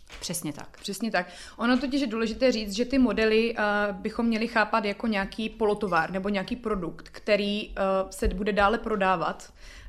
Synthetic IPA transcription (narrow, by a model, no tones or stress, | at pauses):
pr̥ɛsɲɛt̪a̰kpr̥ɛsɲɛt̪ak | ʔo̞not̪oc̬ɪʃjɛduːlɛʒɪt̪ɛːriːt͡st̪ʒɛt̪ɪmo̞dɛlɪbɪxo̞mːɲɛlɪxaːpat̪jako̞ɲɛaːkʰiːpo̞lo̞t̪o̞vaːɾnɛbo̞ɲaːkiːpɾo̞dukt̪kt̪ɛɾiːsɛbudɛdaːlɛpɾo̞daːva̰t̪